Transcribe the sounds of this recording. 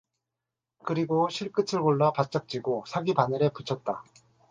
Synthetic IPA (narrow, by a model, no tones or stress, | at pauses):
kɯɾiɡoɕʰiɭk͈ɯtʰɯɭɡoɭːʌpat̚t͡ɕ͈ʌk̚t͡ɕ͈iɡosʰaɡibanɯɾe̞put͡ɕʰʌt̚t͈a